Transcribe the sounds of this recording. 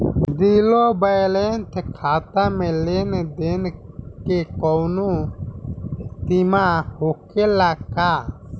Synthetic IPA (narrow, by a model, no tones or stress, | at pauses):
d̪iːlobəjlent̪ʰkʰaːt̪amẽleːnd̪eːnkekɔːnũ | t̪imahoːkelaːkaː